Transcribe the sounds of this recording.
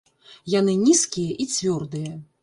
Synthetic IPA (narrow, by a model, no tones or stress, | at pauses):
jan̪ɨnʲiskʲijɐʔit͡sʲvʲɔrd̪ɨjɐ